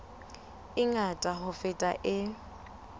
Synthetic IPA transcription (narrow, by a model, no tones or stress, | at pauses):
ɪŋatʼaɦʊfɪtʼa̰ʔɪ